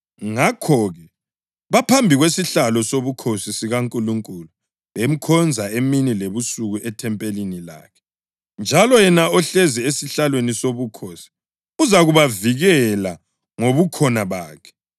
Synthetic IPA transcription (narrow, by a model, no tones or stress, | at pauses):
ŋakʰɔɣɛ | βapʰambʱiɣwesiɬalɔsoβukʰosisiɣaŋkʼuluŋkʼulu | βem̩kʰɔnd͡zʱaeminileβusuɣuʔɛtʰɛmpʼelinila̰ːkʰɛ̥ | nd͡ʒʱalɔjɛnaɔɬɛziesiɬalwenisoβukʰosi̥ | uzaɣuβaviɣɛla | ŋoβukʰɔnaβaːkʰɛ̥